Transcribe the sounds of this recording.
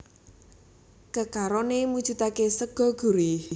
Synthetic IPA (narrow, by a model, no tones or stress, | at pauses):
kəkaɾɔnemud̥ʒ̥ṳt̪akesəɡ̥ɔ̤ɡ̥ṳɾi